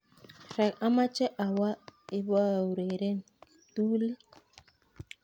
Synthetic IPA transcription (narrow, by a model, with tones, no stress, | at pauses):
ɾɛ˨ka˦ma˦t͡ʃɛ˦ʔa˨wa˦ɪ˦ba˦˨u˨ɾe˨ɾe˦n˨ | tuː˦le˦